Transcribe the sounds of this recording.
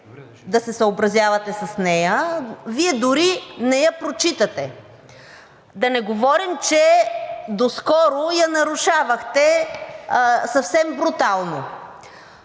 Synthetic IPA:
d̪ɐsɛsɐobɾɐzʲjavɐt̪ɛsɐsnɛjəviɛd̪ʊɾinɛjɐpɾot͡ʃit̪ət̪ɛ | d̪ɐnɛɡovɔɾimt͡ʃɛd̪oskɔɾojɐnɐɾuʃavɐxt̪ɛ | sɐfsɛmbɾut̪alˠno

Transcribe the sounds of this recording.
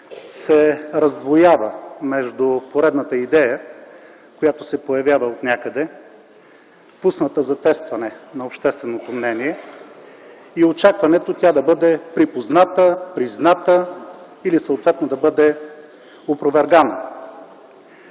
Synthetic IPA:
sɛɾɐzd̪vojavəmɛʒd̪ʊpoɾɛd̪nət̪əid̪ɛjə | kojat̪osɛpojɐvjavəot̪nʲakəd̪ɛ | pusnət̪əzɐt̪ɛst̪vɐnɛnɐopʃt̪ɛst̪vɛnot̪omnɛniɛ | iot͡ʃakvɐnɛt̪ot̪ʲad̪ɐbɤd̪ɛpɾipoznat̪əpɾiznat̪ə | ilisəot̪vɛt̪nod̪ɐbɤd̪ɛ | opɾovɛɾɡanə

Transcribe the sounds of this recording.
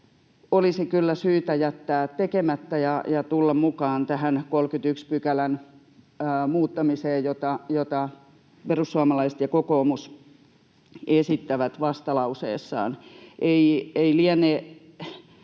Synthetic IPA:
olisikylːæsyːt̪æjæt̪ːæːtt̪ekemæt̪ːæjɑjɑt̪ulːɑmmukɑːnt̪æhænkolkyt̪ykspykælænː | muːt̪ːɑmiseːjjot̪ɑjot̪ɑ | perusːuɑmɑlɑise̥t̪jɑkokoːmus | esit̪ːæʋæt̪ʋɑst̪ɑlɑusḛːsːɑ̰ːnʔeieiliæne

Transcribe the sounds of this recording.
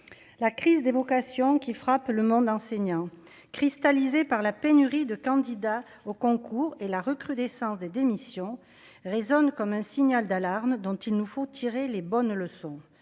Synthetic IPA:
lakχizd̪evɔkasjɔ̃kʲifχapləmɔ̃d̪ɑ̃seɲɑ̃ | kχist̪alizepaʁlapenyʁid̪əkɑ̃d̪id̪a | okɔ̃kuʁelaʁəkχyd̪ɛsɑ̃sd̪ed̪emisjɔ̃ | ʁezɔnkɔmɛ̃siɲald̪alaʁmd̪ɔ̃t̪ilnufot̪ʰiʁelebɔnləsɔ̃

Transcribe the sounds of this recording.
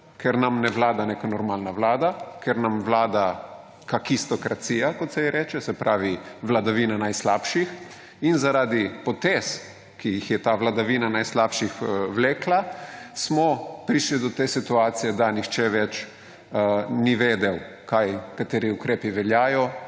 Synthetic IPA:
kɛɾnamnɛʋlaːd̪aneːkanɔɾmalnaʋlaːd̪akɛɾnamʋlaːd̪a | kakist̪ɔkɾat̪sijakɔt̪sɛjɛɾɛːt͡ʃɛsɛpɾaːʋiʋlad̪aʋinanajslapʃix | inzaɾaːd̪ipɔt̪es | kijixjɛt̪aʋlad̪aʋiːnanajslaːpʃixʋleːklasmɔpɾiːʃlid̪ɔt̪eːsit̪uaːt̪sijɛd̪anixt͡ʃɛʋɛt͡ʃ | niʋeːd̪ɛw | kajkat̪eːɾiukɾeːpiʋɛljaːjɔ

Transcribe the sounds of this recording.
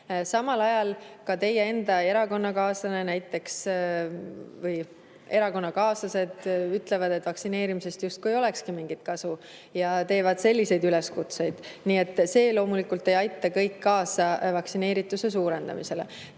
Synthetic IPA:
sɑmɑlɑjɑlkɑt̪e̞jee̞nd̪ɑe̞ɾɑko̞nːɑkɑːsɑne̞næjt̪ˑːe̞ks | vɤj | e̞ɾɑko̞nːɑkɑːsɑse̞d̪̥yt̪ˑle̞vɑd̪e̞t̪ːˑvɑksine̞ːɾimise̞st̪just̪̚kuejo̞le̞kskimiŋɡit̪̚kɑsu | jɑt̪e̞ːvɑd̪̥se̞lʲːise̞jd̪yle̞skut̪se̞jd̪̥niːe̞t̪ːˑse̞ːlo̞ːmulikult̪ˑe̞jɑjt̪ːˑɑkɤjkːɑːsɑvɑksine̞ːɾit̪ːˑuse̞s̬uːɾe̞nd̪̥ɑ̰mise̞le̞̰

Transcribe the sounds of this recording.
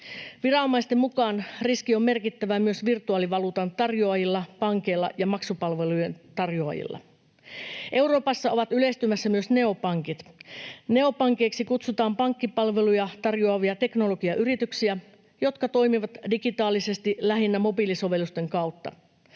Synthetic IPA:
ʋirɑomːɑist̪emukɑːnriskio̞mːe̞rkit̪ːæʋæmyø̞sʋirt̪uɑːliʋɑluːt̪ɑnt̪ɑrjoɑjilːɑpɑŋke̞jlːɑ̰jɑmɑksupɑlʋe̞lujent̪ɑrjoɑ̰jḭlːɑ̰ | ʔe̞uwro̞ːpɑsːɑo̞ʋɑt̪yle̞ist̪ymæsːæmyøsne̞o̞pɑŋkit̪ne̞o̞pɑŋke̞ːksikut̪sut̪ɑːmpɑŋkːipɑlʋe̞lujɑt̪ɑrjoɑʋiɑt̪e̞kno̞lo̞ɡiɑʔyɾit̪yksiæ | jo̞t̪kɑt̪o̞jmiʋɑt̪diɡit̪ɑːlise̞st̪ilæɦinːæmo̞biliso̞ʋe̞lːust̪e̞ŋkɑut̪ːɑ̰

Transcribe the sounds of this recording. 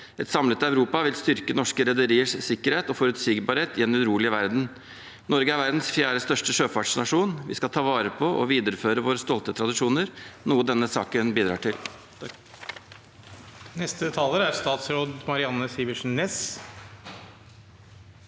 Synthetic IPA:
ɛt̪sɑmlət̪æʉɾuːpɑʋɪlst̪ʏɾkənɔʂkəɾɛd̪əɾiːəʂsɪkːəɾheːt̪ɔfɔɾʉt̪siːɡbɑɾheːt̪ɪɛnʉɾuːlɪəʋæɾd̪n̩ | nɔɾɡəæɾʋæɾd̪n̩sfjæːɾəst̪œʂʈəʂøːfɑʈʂnɑʂuːnʋɪ̰skɑt̪ʰɑːʋɑːɾəpʰɔʔɔ̰ʋiːd̪əɾəføːɾəʋoːɾəst̪ɔlt̪ət̪ʰɾɑd̪ɪʂuːnəɾnuːəd̪ɛnːəsɑ̰ːkənbiːd̪ɾɑ̰ːʈʰɪl | nɛst̪ət̪ʰɑːləɾæɾst̪ɑːt̪sɾoːd̪mɑɾɪɑnːəsiːʋɪʂɳ̩nɛs

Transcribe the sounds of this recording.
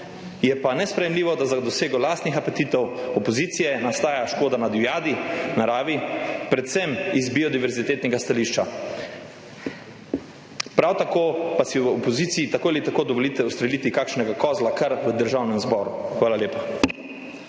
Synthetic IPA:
jɛpanɛspɾɛjɛmliːʋɔd̪azad̪ɔseːɡɔlaːst̪nixapɛt̪iːt̪ɛwɔpɔziːt̪sijɛnast̪aːjaʃkoːd̪anad̪ujaːd̪inaɾaːʋipɾɛt̪sɛmizbiɔd̪iʋɛɾzit̪eːt̪nɛɡast̪aliʃt͡ʃa | pɾawt̪akoːpasiɔpɔziːt̪siːt̪akoːalit̪akoːd̪ɔʋolit̪ɛust̪ɾɛliːt̪ikaːkʃnɛɡakɔːzlakaɾʋəd̪əɾʒawnɛmzbɔːɾuxʋaːlaljeːpa

